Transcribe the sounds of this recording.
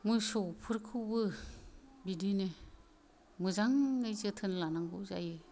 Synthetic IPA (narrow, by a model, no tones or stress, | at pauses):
mujsɔpʰɯɾkʰɯwbɯ | bidine | mɯzaŋːɯjzɯtʰɯnlanaŋɡɯwza̰jɯ